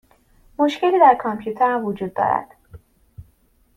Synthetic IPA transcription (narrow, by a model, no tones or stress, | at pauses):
mo̞ʃceliːd̪æɾkʰɒmpʰjuːt̪ʰeɾæmvod͡ʒuːd̪̚ːɒ̰ːɾæ̰d̪̥